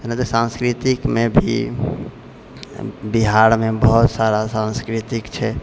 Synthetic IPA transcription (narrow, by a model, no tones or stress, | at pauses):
enat̪esãnskɾit̪ikmebʱḭ | biɦaɾmebəɦut̪saɾasãnskɾit̪ikt͡ʃʰɛ